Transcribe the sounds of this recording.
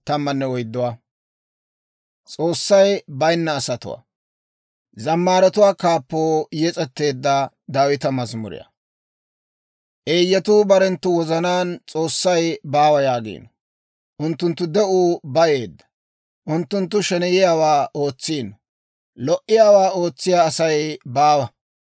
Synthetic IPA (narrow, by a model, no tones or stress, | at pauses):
t̪ɐmːɐnːɛwɔjd̪ːʊwa | t͡sʼo̞ːsːɐjbɐjnːɐːsɐt̪ʊ̰wa̰ | zɐmːaːɾɛt̪ʊwaːkaːpːo̞ːjɛt͡sʼɛt̪ːe̞ːd̪ːɐ | d̪aːwɪt̪ɐmɐzmʊ̰ɾɪ̰jɐ̰ | ʔe̞ːjːɛt̪uːbɐɾɛnt̪ːʊwɔzɐnaːnt͡sʼo̞ːsːɐjbaːwɐjaːɡḭːnɔ | ʔʊnt̪ːʊnt̪ːʊd̪ɛʔuːbɐje̞ːd̪ːɐ̥ | ʔʊnt̪ːʊnt̪ːʊʃɛnɛjɪjaːwaːʔo̞ːt͡sːiːnɔ | lɔʔɪjaːwaːo̞ːt͡sːɪjaːsɐjbaːwɐ